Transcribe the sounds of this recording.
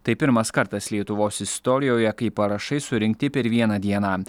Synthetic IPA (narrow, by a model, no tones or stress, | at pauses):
t̪ɐɪpʲɪɾmɐskɐɾt̪ɐslʲiɛt̪ʊʋoːsɪst̪ɔːɾʲɪjoːjɛkɐɪpɐɾɐʃɐɪsʊɾʲɪŋʲk̚t̪ʲɪpʲɛɾʋʲiɛnɑd̪ʲiɛnɑː